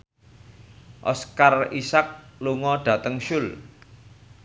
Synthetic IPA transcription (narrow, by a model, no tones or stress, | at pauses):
ʔɔ̰skarisak̚luŋɔɖ̥ä̤t̪əŋʃʊl